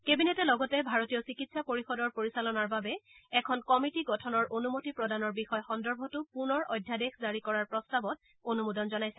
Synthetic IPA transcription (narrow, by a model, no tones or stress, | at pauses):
kebinetɛlɔɡɔtɛbʱaɹotijɔsikitsapoɹixɔdɔɹpoɹisalɔnaɹbabɛɛkʰɔnkɔmitiɡɔtʰɔnɔɹʔonumotipɹɔdanɔɹbixɔjxɔndɔɹbʱɔtʊpunɔɹɔjdʱjadexzaɹikɔɹaɹpɹɔstabɔt̚ | onumudɔnzɔnajsɛ